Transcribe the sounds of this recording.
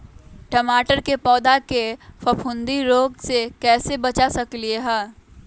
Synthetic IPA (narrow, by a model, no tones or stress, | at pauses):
ʈɐmaːʈəɾkepɔːd̪akefɐpʰʊ̃nd̪iɾoːɡsekɛːsebɐt͡ʃasɐklieɦɛː